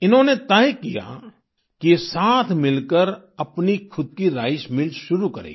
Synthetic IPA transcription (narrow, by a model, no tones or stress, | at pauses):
ɪnɦõnet̪ɐjkija̰ | kisaːt̪ʰmɪlkəɾ | ɐpnikʰʊd̪̚kiɾa̰ːɪʃmɪlʃʊɾukɐɾḛːɡ